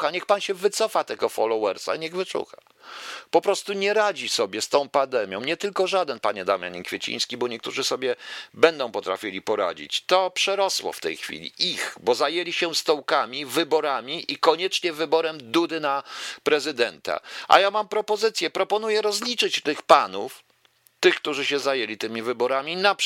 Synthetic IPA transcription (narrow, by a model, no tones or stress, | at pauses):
aɲɛxpanɕɛvɘt̪sɔfat̪ɛɡɔfɔlɔwɛɾsa̰iɲɛɣvɘt͡ʂṵxa | pɔpɾɔst̪uɲɛɾad͡ʑisɔbʲjɛst̪ɔ̃w̃pand̪ɛmʲjɔ̃w̃ɲɛt̪ɘlkɔʐad̪ɛnpaɲɛd̪amja̰ɲikfʲjet͡ɕḭ̃j̃skʲibɔɲɛk̚t̪uʐɘsɔbʲjɛbɛnd̪ɔ̃w̃pɔt̪ɾa̰fʲilʲipɔɾa̰d͡ʑḭt͡ɕt̪ɔpʂɛɾɔswɔ̰ft̪ɛ̰jxfʲḭlʲḭixbɔzajelʲiɕɛst̪ɔwkamʲivɘbɔɾamʲiʔikɔɲɛt͡ʂɲɛvɘbɔɾɛmd̪ud̪ɘnapɾɛzɘd̪ɛnt̪a̰ʔa̰jamampɾɔpɔzɘt̪sʲjɛpɾɔpɔnujɛɾɔzlʲit͡ʂɘt͡ɕt̪ɘxpanuf | t̪ɘxkt̪uʐɘɕɛzajelʲit̪ɘmʲivɘbɔɾamʲina